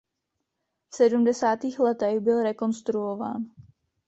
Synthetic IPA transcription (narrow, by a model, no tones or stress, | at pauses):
fsɛdumdɛsaːt̪iːxlɛt̪ɛɣbɪlɾɛko̞nst̪ɾuova̰ːn